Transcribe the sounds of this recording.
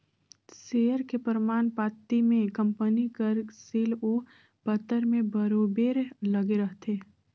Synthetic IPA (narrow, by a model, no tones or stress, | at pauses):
seːəɾkepəɾmaːnpaːt̪ːimẽkɐ̃mpənikəɾsiːlo | pət̪ːəɾmẽbəɾoːbeːɾlɐɡeɾəɦt̪ʰeː